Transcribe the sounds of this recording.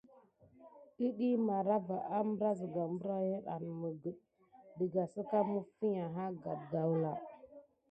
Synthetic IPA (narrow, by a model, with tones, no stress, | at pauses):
i˦ɗi˦ma˨ɾa˦va˨ʔa˦mbə˦ɾa˦zə˨ɡa˨mbə˦ɾa˦je˦ɗa̰˨n˨mə˨ɡə˨ | di˨ɡa˨sə˦ka˦mə˦fi˦ɲa˨ɦa˦ɡa˨b̚ɡa˨wla˨